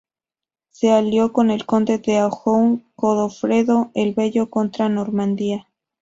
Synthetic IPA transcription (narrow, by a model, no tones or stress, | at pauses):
se̞aljo̞ko̞ne̞lko̞nd̪e̞ðeaoxoŋkoðofɾe̞ðo̞e̞lβe̞ʝo̞ko̞nt̪ɾano̞ɾmãnd̪ia